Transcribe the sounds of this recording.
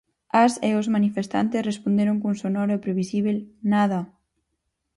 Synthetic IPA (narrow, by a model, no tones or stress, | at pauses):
aseozmanifest̪a̰nt̪esrespond̪eɾoŋkuŋsonɔɾoepɾeβisiβ̞elnaða